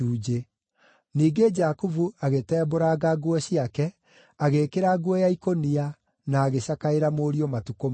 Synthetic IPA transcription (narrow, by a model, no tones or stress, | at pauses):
uːd͡ʒe | niːɡed͡ʒakuvuaɣetɛːboɾaɡaɡwɛɕiakɛ | aɣekeɾaɡwɛjaikonia | naːɣeɕakaeɾamoːɾiomatukom